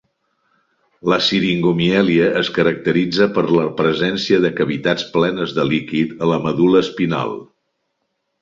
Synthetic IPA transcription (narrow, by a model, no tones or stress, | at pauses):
ləsiɾiŋɡumiɛliəʔːskəɾək̚t̪əɾid͡zəpəɾləpɾəzɛnsiəðəkəβit̪at͡splɛnəzðəlikit̪ələməðuləːspina̰lˠ